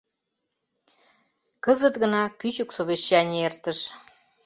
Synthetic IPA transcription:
kəzət̪ɣənɑkyt͡ɕuksoβeɕːɑnʲert̪əʃ

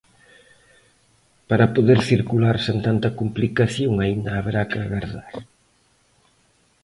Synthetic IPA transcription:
paɾɐpoðeɾθiɾkulaɾsent̪ant̪ɐkumplikaθjoŋaind̪ɐːβeɾakɪaɣaɾðaɾ

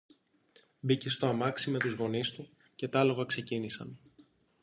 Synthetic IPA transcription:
bice̞st̪o̞ɐmɐksime̞t̪uzɣo̞nist̪u | ce̞t̪ɐlo̞ɣɐkse̞cinisɐ̰n

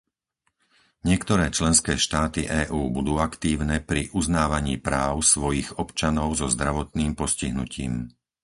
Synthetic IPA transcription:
ɲɪɛkt̪ɔɾɛːt͡ʃlɛnskɛːʃt̪aːt̪ḭʔɛːʔuːbud̪uːakt̪iːʊnɛpɾiʔuznaːʋaɲiːpɾaːʊsʋɔjiɣɔpt͡ʃanɔʊzɔzd̪ɾaʋɔt̪niːmpɔsciɦnṵciːm

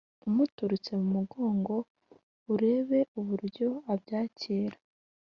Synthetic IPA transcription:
umutuɾut͡se̞mumuɡo̞ːŋɡo̞ | uɾe̞ːβe̞uβuɾɟo̞abɟaːceːɾa

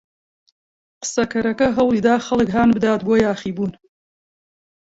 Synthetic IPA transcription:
qɨ̥sɐkʰɐɾɐkɐɦɐwlˠiːd̪aːxɐlˠɨkɦaːnbɨd̪aːt̪̚boːjaːχiːbuːn

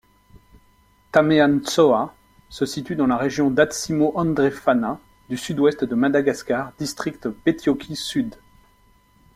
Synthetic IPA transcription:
t̪ameansɔa | səsit̪yd̪ɑ̃laʁeʒjɔ̃d̪at̪simoʔɑ̃d̪ʁefana | d̪ysyd̪wɛst̪d̪əmad̪aɡaskaʁd̪ist̪χikt̪pet̪jɔkʲisyd̪

